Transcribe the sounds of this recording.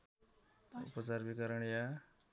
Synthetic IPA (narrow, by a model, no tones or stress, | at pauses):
upʌt͡sarbikʌɾʌɳja